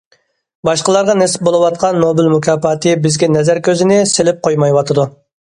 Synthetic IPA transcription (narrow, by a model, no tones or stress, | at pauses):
bɑʃqəlˠɑɾʁɑnɛsɪ̥p̚bolˠɨwɑt̪̚qʰɑnːobɪlmukʰʲɑːpɑːt̪ʰɨbɪzɡʲɛnɛzæɾkʲʰøzɪnɪselɪp̚qʰojmɑjwɑt̪ʰɨd̪u